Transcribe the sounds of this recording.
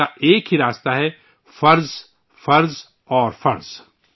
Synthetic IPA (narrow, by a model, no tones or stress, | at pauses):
aʔeːkɦiɾaːst̪aɦɛ | fɐɾz | fɐɾz | ɔːɾfɐɾz̥